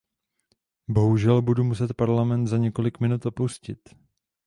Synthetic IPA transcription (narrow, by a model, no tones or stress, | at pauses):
bo̞ɦuʒɛlbudumusɛt̪paɾlamɛnt̪zaɲɛko̞lɪkmɪnut̪ʔo̞puscɪt̪